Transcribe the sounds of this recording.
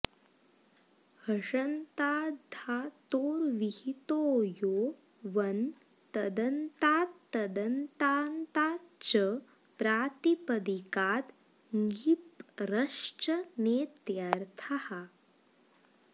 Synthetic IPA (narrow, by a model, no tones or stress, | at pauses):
həʂənt̪aːd̪ʱat̪oːɾʋihit̪ojo | ʋən | t̪əd̪ənt̪aːt̪ːəd̪ənt̪ant̪at͡ɕə | pɾat̪ipəd̪ikaːt̪ | ŋɡipɾəʂt͡ɕəneːt̪jaɾt̪ʰaha